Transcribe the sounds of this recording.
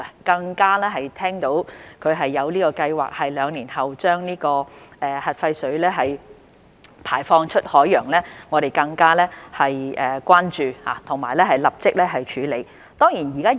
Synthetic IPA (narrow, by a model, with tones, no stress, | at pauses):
kɐ˧ŋkaː˥lɛː˥ɦɐ˨jt̪ʰɛː˥ŋt̪o˨˥wkʰɵ˨˧ɥɦɐ˨jːɐ˨˧wliː˥kɔː˧kɐ˧jwa̰ː˨k̚hɐ˨jlœː˨˧ŋliː˨˩nhɐ˨wt͡ʃœː˥ŋniː˥kɔː˧ʔɛː˨˧hɐ˨t̚fɐ˧jsɵ˨˥ɥlɛː˥ɦɐ˨j | pʰaː˨˩jfɔː˧ŋt͡ʃʰɵ˥t̚hɔː˨˥jːœː˨˩ŋlɛː˥ŋɔː˨˧ɾe˨jkɐ˧ŋkaː˥lɛ˥hɐ˨jʔɛː˨kʷaː˥nt͡ʃyː˨ha̰ː˨˦t̪ʰʊ˨˩ŋmaː˨˩lɛː˥ɦɐ˨jlɐ˨p̚t͡sɪ˥k̚lɛː˥ɦɐ˨jt͡ʃʰyː˨˥le˨˧˥j | t̪ɔː˥ŋjiː˨˩njiː˨kaː˥